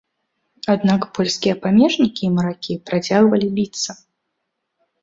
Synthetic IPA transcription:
ad̪nakpɔlʲskʲijɛpamʲɛʐnʲikʲiːmɐɾakʲipɾat͡sʲaɣvɐlʲibʲit̪sɐ

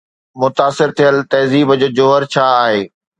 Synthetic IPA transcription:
mʊt̪aːsɪɾt̪ʰijəlt̪ɐːziːbəd͡ʑoːd͡ʑoːɦəɾt͡ɕʰaːaːɦeː

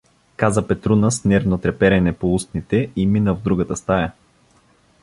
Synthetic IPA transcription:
kazəpɛt̪ɾunəsnɛɾvnot̪ɾɛpɛɾɛnɛpoust̪nit̪ɛiminəvd̪ɾuɡət̪əst̪ajə

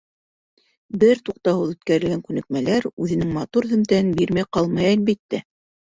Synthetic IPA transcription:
bɘɾt̪uq̚t̪ɑwɤðʉt̪kæɾɘ̆lɡæŋkʉnɘ̆k̚mælæɾʉðɘ̆nɘŋmɑt̪uɾðɵ̆mt̪æɘnbiɾmæjqɑlˠmɑjælbit̪ːæ

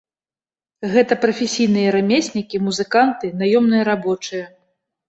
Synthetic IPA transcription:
ɣɛt̪ɐpɾɐfʲesʲijn̪ɨjɐɾamʲesʲnʲikʲimuzɨkant̪ɨnajɔmnɨjɐɾabɔt͡ʂɨjɐ

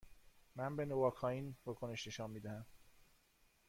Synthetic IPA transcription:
mænbenovɒːkʰɒːiːnvɒːkʰone̞ʃne̞ʃɒːnmiːd̪æhæm

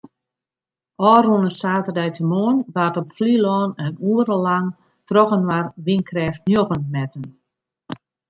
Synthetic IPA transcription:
ɔːrunəsaːtərdɛjtʰəmoənʋatɔpflilɔːnənuəɾəlaŋ | trɔkənʋarʋinkʰrɛːftnjoɣənmɛtən

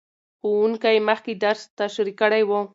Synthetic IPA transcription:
xowuŋkajməxked̪aɾst̪aʃaɾikəɽajwo

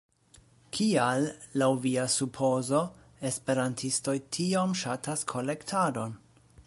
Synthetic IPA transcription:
kʰialːawviasupʰo̞zo̞ | e̞spe̞ɾantʰisto̞jtʰiamʃatʰaskʰo̞le̞ktʰado̞n

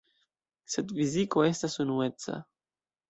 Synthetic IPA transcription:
se̞dfiziko̞e̞stasunue̞t͡sa̰

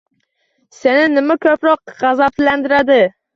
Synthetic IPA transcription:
senɪnɪmakʲʰɵpɾɒqʁɑzapland̪ɪɾad̪ɪ

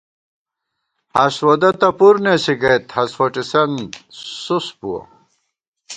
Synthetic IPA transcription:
hɐswod̪ɐt̪ɐpuɾnesiɡɐjt̪hɐswɐʈ͡ʂisɐnsuspuɐ̰

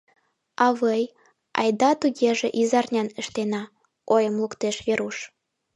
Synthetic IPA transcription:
ɑβəj | ɑ̰jd̪ɑt̪uɣeʒeʔizɑrnʲɑnəʃt̪enɑ | ojəmlukt̪eʃβeɾuʃ

